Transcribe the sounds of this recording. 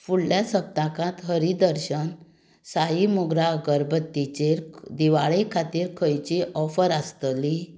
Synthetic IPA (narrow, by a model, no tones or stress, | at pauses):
fuɽljasəb̚t̪akãt̪ɦəɾid̪əɾɕən | sajimuɡɾaɡəɾbət̪ːit͡ɕeɾd̪iʋaɭekʰat̪iːɾkʰəjt͡ɕiʔɔfəɾast̪li